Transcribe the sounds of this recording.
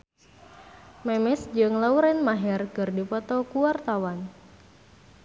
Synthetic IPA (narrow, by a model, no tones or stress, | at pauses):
mɛmɛsd͡ʒɨŋlauɾɛnmaɦɛrkɨrdipɔt̪ɔkuwart̪awan